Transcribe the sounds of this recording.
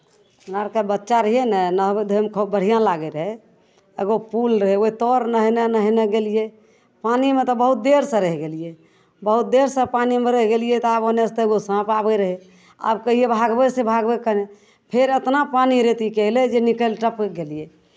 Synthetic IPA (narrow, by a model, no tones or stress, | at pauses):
unaɾkebətːʃaɾəɦjenɛnəɦbed̪ʱəmkʰəbəɽ̤ijãlaɡeɾəɦɛ | eɡopulɾəɦɛoit̪ɔɾnəɦnenəɦneɡelije | panimet̪ɔbəɦut̪̚d̪eɾsə̃ɾəɦɛɡelije | bəɦut̪̚d̪eɾsə̃panimeɾəɦɡelijɛt̪ɔabonest̪eeɡosãpabeɾəɦe | a̰bkəɦijebʱaɡbesebʱaɡbekəne | pʰeɾet̪napaniɾet̪ikɛɦlɛd͡ʒenikəlʈəpɡelije